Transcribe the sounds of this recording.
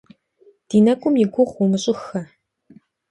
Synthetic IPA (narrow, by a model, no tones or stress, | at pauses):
d̥iːnɐkʷʼʊmjɪɡʷʊʁwumɨɕʼɪxɐ